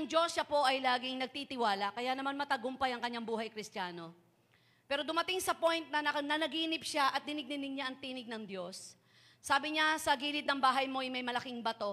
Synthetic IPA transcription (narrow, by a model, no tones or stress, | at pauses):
ʔɐŋd͡ʒo̞sːɐpo̞ʔɐjlaːɡɪŋnɐɡ̚t̪it̪ɪwaːlɐkɐjanɐmanmɐt̪ɐɡompɐjɐŋkɐɲːaŋbuːɦɐjkɾɪst̪jaːno̞ | pɛːɾo̞d̪ʊmɐt̪ɪŋsɐpo̞jnt̪̚nɐnɐnɐnɐɡiːnɪp̚ʃaʔɐt̪̚d̪ɪnɪɡ̚nɪnɪɡ̚ɲaʔɐŋt̪iːnɪɡ̚nɐŋd̪jo̞sː | aːbɪɲasɐɡiːlɪt̪̚nɐŋbaːɦɐjmo̞ʔɪjmɐjmɐlɐkɪŋbɐt̪o̞